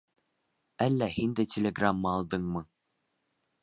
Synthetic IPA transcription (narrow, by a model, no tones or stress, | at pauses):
ælːæhind̪ɘtʲelʲeɡramːɤɑlˠd̪ɤɴmɤ